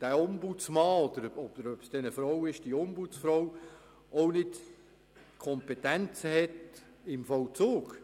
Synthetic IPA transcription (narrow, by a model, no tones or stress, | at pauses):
d̥æːʊmbut͡smɑːɔd̥̪əɾɔb̥əɾœpsd̥ɛnəfɾɔwɪʃd̥iʊmbut͡sfɾɔw | ɔwnɪt | kʰɔmpetænt͡səhɛt | ɪmfɔwt͡soːɡ